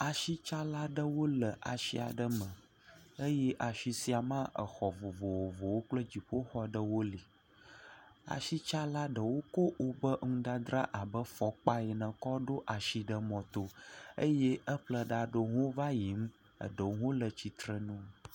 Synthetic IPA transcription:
a˨ʃi˦t͡ʃa˦la˦ɖə˦wo˦lə˨ʔa̰˨ʃi˦a̰˨ɖə˦mə̃˨ | ə˦jɛ˦ʔa˨ʃi˨si˦a˨mã˦ʔə̰˨xɔ˨vo˨vo˨wo˨vo˨wo˦k͡plə˦d͡ʑi˨ɸo˦xɔ˦ɖə˦wo˦li˨ | a̰˨ʃi˦t͡ʃa˦la˦ɖə˨wo˦ko˦wo˨bə˦ŋũ˦ɖa˦d̪ɾa˦ʔa˨bə˦fɔ˨k͡pa˦jɛ˨nə̃˨kɔ˦ɖo˦ʔa˨ʃi˨ɖə˦mɔ̃˨t̪o˦ə̰˦je˦ə˦ɸlə˦ɖa˨ɖo˨ɦõ˦va˦ji˨m˦ | ə̰˨ɖə˨wɦo˦lə˨t͡ɕi˨t̪ɾə˨nũ˦

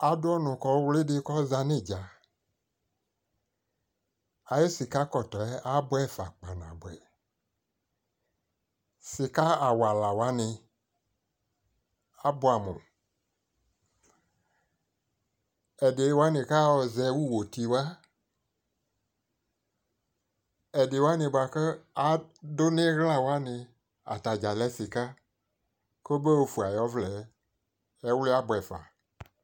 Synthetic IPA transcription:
a˨dʊ˦ɔ˦nʊ̃˨kɔ˦wlɪ˦dɪ˧kɔ˦za˧nɪ̃˦˨d͡ʒa˨ | a˨jo˦si˨ka˦kɔ˨tɔ˨ɛ˦ʔa˦bɛ˦˨fa̰˨k͡pa˨nã̰˨bɛ̰˨ | sɪ˨ka˦a˨wa˨la˨wa˦nɪ˧ | a˦bʊ˦a˨mṵ̃˨ | ɛ˨dɪ˨˦wa˦nɪ̃˨ka˦wɔ˨zɛ˨wu˦wo˨t̪i˨wa˦ | ɛ˨dɪ˨wa˦nɪ̃˨ba˨kə˦a˨˦dʊ˦nɪ̃˦ɣla˦wa˦nɪ˧ | a̰˨t̪a˨d͡ʒa˨lɛ˦sɪ˨ka˦ | ko˦be˦wo˦fu˨a˨jɔ˦vlɛ˨˦ | ɛ˦wli˦a˦bɛ˨fa̰˨

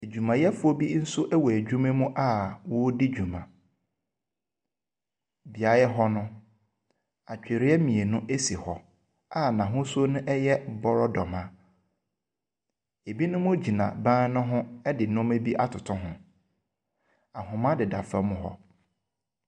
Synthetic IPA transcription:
e˨d͡ʑᶣu˨mã˨jɛ˦fʊ˦ɔ˦bi˦n̩˦sʊ˦ʔæ˦wɔ˨æ˨d͡ʑᶣu˦mẽ˦mũ˦ʔa˦˨wʊ˦di˦d͡ʑᶣu˨mã̰˨ | bi˨a˨˦jɛ˦ɦɔ˦nʊ̃˦ | a˨t͡ɕᶣe˨ɾɪ˦ɛ˦mĩ˨e˨nʊ̃˦ʔe˦si˨hɔ˨ | a˦˨nã˨ɦʊ̃˦sʊ˦o˦nʊ̃˦ʔɛ˦jɛ˦bɔ˦ɾɔ˦dɔ˨mã˨ | e˨bi˦nʊ̃˦mʊ̃˦d͡ʑi˨nã̰˨bãː˦n˦nʊ̃˦ɦʊ̃˦ɛ˦dɪ˨nʊ̃˦me˦bi˦ʔa˦tʰʊ˨tʰʊ̃˦ɦʊ̃˨ | a˨ɦʊ̃˨mã˦dɪ˨da̰˨fa˦mʊ̃˦ɦɔ̰˦

